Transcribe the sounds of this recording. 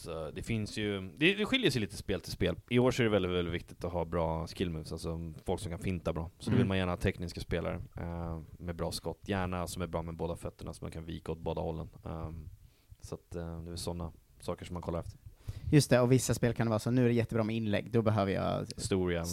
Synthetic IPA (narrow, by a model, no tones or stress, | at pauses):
sɔd̪ɛfɪnsjɵd̪ɛd̪ɛɧɪljəsɛjliːt̪əspeːlt̪ʰɪlspeːlɪoːʂɔæɖɛvɛlɪt̪vɛlɪt̪vɪk̚t̪ɪt̪ɔɦɑːbɾɑːskɪlmʉːsalsɔfɔlksɔmkʰanfɪnt̪abɾɑːsɔd̪ɔvɪlmanjæːɳahɑːt̪ʰɛknɪskaspeːla̰ɾə̰ | mɛbɾɑːskɔt̪ʰːjæːɳasɔmæɾbɾɑːmɛboːd̪afœt̪ːəɳasɔma̰nkʰanvḭːkaɔt̪̚boːd̪a̰hɔlːə̰n | sat̪d̪ɛɪlsɔnːa | sɑːkəʂɔmːankʰɔlaɾɛft̪ʰəɾjɵst̪ɛɔvɪsːaspeːlkʰand̪ɛvɑːɾasɔnʉ̟ːæɖɛjɛt̪ːəbɾɑːmɛɪnlɛ̰ɡːd̪ɔbɛɦøːvəjɑ̰ːst̪uːɾɪa